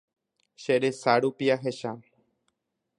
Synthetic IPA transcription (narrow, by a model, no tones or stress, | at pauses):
ʃeɾesaɾupiaɦeʃa